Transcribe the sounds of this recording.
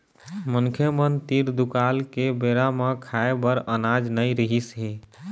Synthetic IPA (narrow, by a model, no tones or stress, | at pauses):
məŋkʰjəmənt̪iɾd̪ukalkebeɾamekʰaebəɾənad͡ʒnəjɾəɦisɦi